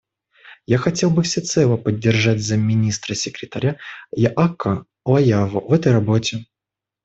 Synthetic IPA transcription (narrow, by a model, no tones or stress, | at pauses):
jaxɐtʲe̞lˠbɨfsʲɪt̪sɛlˠəpədʲːɪrʐatʲzəmʲːɪnʲist̪ɾəsʲɪkɾʲɪt̪ɐɾʲajaʔakːə | lˠɐjavəvɛt̪əjɾɐbotʲɪ